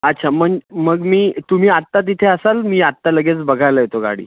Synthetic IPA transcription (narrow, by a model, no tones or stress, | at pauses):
ətːɕʰaməŋməɡmiːt̪um̤iːat̪ːat̪̬it̪ʰeəsalmiːat̪ːaləɡet͡sbəɡʱajləjet̪oɡa̰ɽ̤ḭː